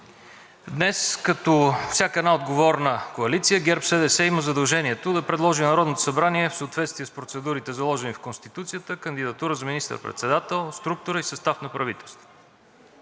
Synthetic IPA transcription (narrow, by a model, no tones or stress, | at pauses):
d̪nɛskɐt̪ɔfsʲakəɛd̪naod̪ɡovɔɾnəkoɐlit̪sijəɡɛɾpsɛd̪ɛsɛiməzɐd̪ɐlˠʒɛniɛt̪od̪ɐpɾɛd̪lˠɔʒinɐɾɔd̪not̪o̥sɐbɾaniɛfsəot̪vɛt̪st̪viɛspɾot̪sɛd̪uɾit̪ɛzɐlˠɔʒɛnifkonst̪it̪ut̪sijət̪əkənd̪id̪ɐt̪uɾəzɐminist̪ə̰ɾpɾɛ̰t̪sɛd̪at̪ɛlˠst̪ɾuk̚t̪ʊɾəisɐst̪afnɐpɾɐvit̪ɛlˠst̪vo̥